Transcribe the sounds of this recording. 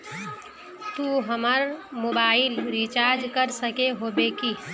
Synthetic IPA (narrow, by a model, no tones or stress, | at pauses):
t̪uɦəməɾmobailɾit͡ʃaɾd͡ʒkəɾsəkeɦobeki